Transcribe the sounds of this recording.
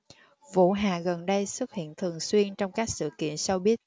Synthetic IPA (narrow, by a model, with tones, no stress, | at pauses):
vṵ˧˥ɦaː˨˩ɣə˨˩nɗə˧jsɨ˦˥t̚hḭ˧˨ənt̪ʰɨ˨˩əŋswi˧ənt͡ɕɔ˧wŋ͡mkaː˦˥k̚sɨ̰˧˨kḭ˧˨ənsa˧wɓi˦˥ət̚